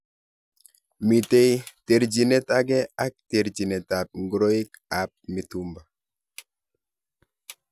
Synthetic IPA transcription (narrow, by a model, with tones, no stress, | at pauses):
mi˨te˦jte˨ɾd͡ʒi˨ne˦ta˦ɡɛ˦a˦k̚te˨ɾd͡ʒi˨ne˨ta˨p̚ŋɡɾo˦i˦ka˨p̚mi˨tu˦mba˨